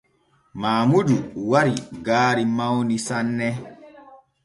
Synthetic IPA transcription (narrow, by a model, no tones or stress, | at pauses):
maːmuduwaɾiɡaːɾimawnisanːɛ